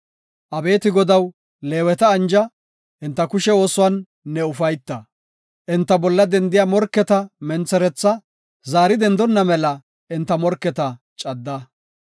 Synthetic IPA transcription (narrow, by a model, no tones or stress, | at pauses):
ʔɐbe̞ːt̪ɪɡɔd̪ɐw | le̞ːwɛt̪ɐːnd͡ʒɐ | ʔɪnt̪ːɐkʊʃɛo̞ːsʊwɐnː | ɛʊfɐjt̪ːɐ | ʔɪnt̪ːɐbɔlːɐd̪ɛnd̪ɪjaːmɔɾkːɛt̪ɐmɛnt͡sːɛɾɛt͡sːɐ | zaːɾɪd̪ɛnd̪ɔnːɐmɛlɐ | ʔɪnt̪ːɐmɔɾkːɛt̪ɐ | t͡ʃʼɐd̪ːɐ